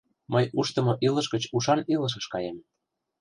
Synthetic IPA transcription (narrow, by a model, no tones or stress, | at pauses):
mɤjuʃt̪ɤ̆moʔilɤ̆ʃɡə̆t͡ɕuʃɑnilɤ̆ʃ̬ɤ̆ʃkɑjem